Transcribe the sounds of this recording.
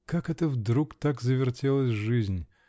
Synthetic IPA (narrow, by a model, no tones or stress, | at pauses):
kakɛt̪əvd̪ɾukt̪akzəvʲɪrtʲelˠəsʲʐɨzʲnʲ